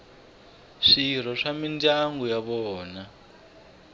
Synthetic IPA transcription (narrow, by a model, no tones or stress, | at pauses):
ʂir̤ɔʂamindaŋɡujaβɔːna